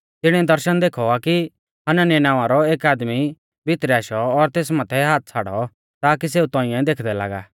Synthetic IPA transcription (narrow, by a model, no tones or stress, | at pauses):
t̪ɪɽ̃ɛd̪ɐɾʃənd̪eːkʰɔaki | ɦɐnanɛnaːʋãɾɔeːkaːd̪mi | bʱɪt̪ɾɛaːʃɔːɾt̪eːsmãːt̪ʰɛɦaːt̪̚t͡sʰaːɽɔ | t̪aːk̬is̬eːut̪ɔ̃ːɪ̃ɛ̃d̪eːkʰd̪ɛla̰ːɡa̰ː